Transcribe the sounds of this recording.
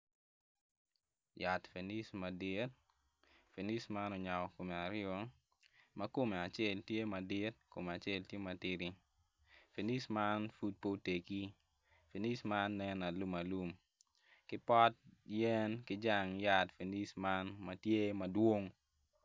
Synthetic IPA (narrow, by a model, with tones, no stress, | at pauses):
ja˨tfe˨ni˦sma˨dɪ˦t̚ | fe˨ni˦sma˦nɔ˨ɲa˨kɔ˨ko˨me˨a˨ɾɪɔ˦ | mɐ˦ko˦me˨a˨t͡ʃɛ˦ltje˦ma˨dɪ˦t̚ko˨me˨a˨t͡ʃe˦ltje˦ma˨tɪ˦ɾi˦ | fe˨ni˦sma˦nfu˦t̚po˦te˨ki˦ | fe˨ni˦sma˦nːɛ˦na˨lu˦ma˨lu˦m | kɪ˦pɔ˦t̚jɛ˦nkɪ˦d͡ʒa˨ŋja˨tfe˨ni˦sma˦nma˦tje˦mɐ˨dwo˦ŋ